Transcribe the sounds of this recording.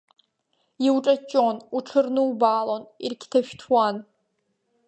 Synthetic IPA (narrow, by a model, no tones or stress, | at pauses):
iwʈ͡ʂʼɐt͡ʃʼonuʈ͡ʂʰɨrnɨwbaːlonirkʲʰtʰaʃᶣtʰwan